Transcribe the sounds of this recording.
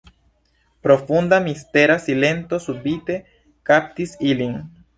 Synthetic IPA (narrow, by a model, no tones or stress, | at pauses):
pɾo̞fund̪amist̪e̞ɾasile̞nt̪o̞subit̪e̞ | kap̚t̪isiliŋ